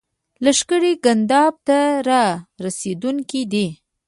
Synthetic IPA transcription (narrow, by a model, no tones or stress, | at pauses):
laʃkəɽiɡand̪ɑb̚t̪aɾɑɾased̪uŋkid̪i